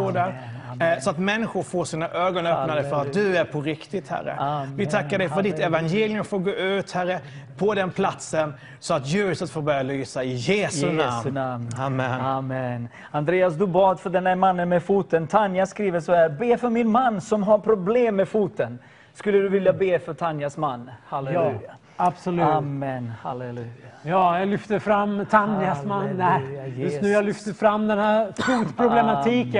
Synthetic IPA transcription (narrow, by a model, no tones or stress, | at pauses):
uːd̪æɾsɔat̪mɛnːɪɧʊɾfoːsiːnaʔøːɡɔnœpnad̪əfœɾat̪̚d̪ɵæɾpʰɔɾɪkt̪ɪt̪hæ̰ɾːə̰vɪt̪ʰakːaɖɛjffœɖɪt̪ɛvanjeːlɪjɵmfoːɾɡoːʉ̟ːt̪hæɾːə | pʰɔd̪ɛnpʰlat̪sən | sɔat̪jʉ̟ːɾɪsət̪foːɾbœɾjalyːsaɪjeːsɵna̰mnamnamːɛnamɛn | and̪ɾeːasd̪ɵbɑːd̪fœɖɛnhæɾmanːənmɛfuːt̪ənt̪ʰanjaskɾiːvəsɔhæːɾbeːfœɾmɪnmanːsɔmɦaɾpʰɾʊbleːmːɛfuːt̪ən | skɵlːəd̪ɵvɪljabeːfœʈʰanjasmanːhalɛʉːja | ab̥sɔlʉːmːɛnha̰lɛlʉːjajɑːjaɡlʏft̪əfɾamːt̪ʰanjasmanjɵt̪nʉːjalʏft̪əfɾamːd̪ɛnhæːɾfuːt̪pʰɾʊblɛmat̪ʰiːkə